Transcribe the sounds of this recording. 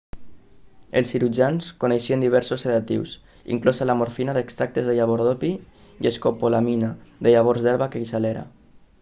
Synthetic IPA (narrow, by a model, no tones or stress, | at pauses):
elˠsiɾud͡ʒanskoneʃiend̪iβ̞ɛɾsoseðat̪ḭws | ḭŋklosalamoɾfinaðekst̪ɾak̚t̪ezðeʎaβ̞oɾðopi | jeskopolaminaðeʎaβ̞oɾzðɛɾβakeisaleɾa̰